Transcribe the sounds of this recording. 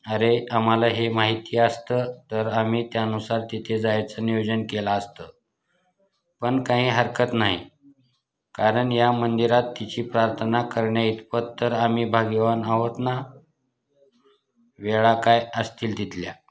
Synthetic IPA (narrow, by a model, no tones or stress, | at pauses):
əɾeam̤alaɦemaɦit̪iːəst̪ət̪əɾam̤iːt̪jaənusaɾt̪it̪ʰed͡zajat͡sənijod͡ʑənkelaəst̪ə | pəɳkãɦĩːɦəɾkʰət̪naɦḭ | kaɾəɳjamənd̪iɾat̪ːit͡ɕiːpɾaɾt̪ʰənakəɾɳjait̪pət̪t̪ːəɾam̤iːbʱaɡʋanaɦot̪na | ʋeɭakajəst̪iːld̪it̪lja̰